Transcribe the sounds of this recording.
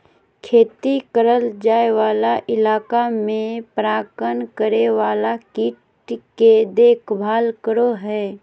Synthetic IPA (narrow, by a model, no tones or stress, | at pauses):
kʰeːt̪ikəɾəld͡ʒaːeʋaːlaʔɪlaːkamẽpɾaːkənkəɾeʋaːlakɪʈ | ked̪eːkʰbʱaːlkəɾoɦɛː